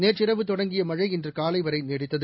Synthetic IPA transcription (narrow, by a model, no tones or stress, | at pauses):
neːt͡ʃɪɾɐʋɯt̪ːɔɽɐŋɡɪjɐmɐɻɐɪɛndrɯkaːlɐɪʋɐɾɐɪneːɽɪt̪ːɐðɯ